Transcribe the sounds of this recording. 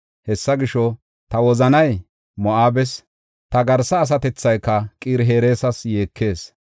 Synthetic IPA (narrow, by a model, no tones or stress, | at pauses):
hɛsːɐɡɪʃɔ | t̪ɐwɔzɐnɐj | mɔʔaːbɛs | t̪ɐɡɐɾsɐːs̬ɐt̪ɛt͡sːɐjkːɐkʼiːɾɦeːɾe̞ːsɐsje̞ːkʰːe̞ːs